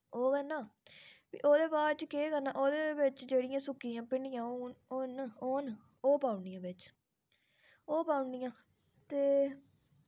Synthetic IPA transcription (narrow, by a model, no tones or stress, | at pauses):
oːkɛnaːʋḭːʔoːd̪eːbaːɾt͡ʃəkeːkəɾnãːʔoːd̪eːbɪt͡ʃd͡ʒeːɽɪjãːsʊkːijãːpɪɳɖɪjãːooːnoːn | oːpaːʊnd̪ijãːbɪt͡ʃ | oːpaːʊnd̪ijãː | t̪eː